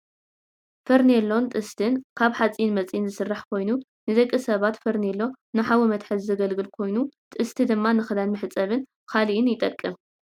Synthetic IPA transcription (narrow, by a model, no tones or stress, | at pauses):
fɐɾnelːo̞nt̪ʼɨst̪ʰɨnkʰaβħat͡sʼiinmɐt͡sʼijinzɨsɨrːaħkʰo̞jnu | nɨzɐkʼːɨsɐβat̪fɐɾnelːo̞ | nɨħawɔmɐt̪ħɨzzɐɡɐlɡɨlkʰo̞jnut̪ʼɨst̪ʰɨd̪ɨmːanɨxɨd̪anmɨħɨt͡sʼɐβɨn | kʰaliʔɪnjɪt̪ʼɐkʼːɨm